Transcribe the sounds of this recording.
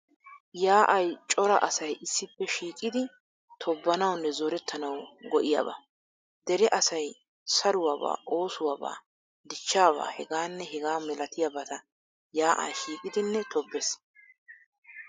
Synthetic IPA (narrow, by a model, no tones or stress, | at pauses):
jaːʔɐjt͡ʃʼɔɾɐ̰ʔɐsɐjʔɪsːɪpːɛʃiːkʼɪd̪ɪ | t̪ʰɔbːɐnɐwnːɛzɔɾɛt̪ʰːɐnɐwɡɔʔɪja̰ːbɐ̰ | d̪ɛɾɛʔɐsɐj | sɐɾʊwaːba̰ːʔoːsʊwaːba̰ː | d̪ɪt͡ʃːaːβa̰ːhɛɡaːnːɛɦɛɡaːmɛlɐt̪ɪjɐbɐt̪ɐ | jaːʔa̰ːʃiːkʼɪd̪ɪnːɛt̪ʰɔbːɛs